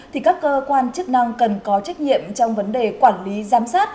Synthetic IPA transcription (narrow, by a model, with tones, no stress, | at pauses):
tʰi˨˩kaː˦˥kːəː˧kwaː˧nt͡ɕɨ˦˥k̚na˧ŋkə˨˩nkɔ˨˦t͡ɕa˦˥jk̟̚ɲḭ˧˨əmt͡ɕɔ˧wŋ͡mvə˨˦nɗe˨˩kwaː˧˩nli˨˦zaː˨˦msaː˦˥t̚